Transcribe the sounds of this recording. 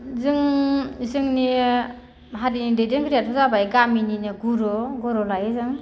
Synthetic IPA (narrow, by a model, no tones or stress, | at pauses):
zɯŋzɯŋni | ɦaɾinidejdenkɯɾijatʰɔzabajɡamininɯɡuɾɔɡɔɾɔlajezɯŋ